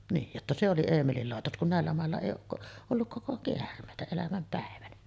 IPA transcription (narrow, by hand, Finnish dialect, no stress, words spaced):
niːj jotːɑ se oli eːmelil lɑˑetos kun næˑelːæ mɑˑelːɑ eˑij oːk ko olːuk koko keærmˑeˑitæ elæmæm pæˑeʋænæ